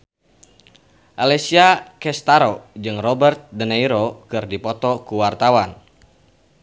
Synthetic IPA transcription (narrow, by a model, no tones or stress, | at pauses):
ʔalɛsiakɛst̪aɾɔd͡ʒɨŋrɔbərt̪̚dənaiɾɔkɨrdipɔt̪ɔkuwart̪awan